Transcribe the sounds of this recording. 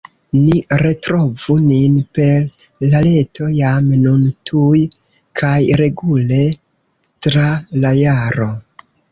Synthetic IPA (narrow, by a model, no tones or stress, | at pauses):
niɾe̞tɾo̞vuninpe̞ɾ | lale̞tʰo̞jamnuntʰuj | kʰajɾe̞ɡule̞ | tɾalajaɾo̞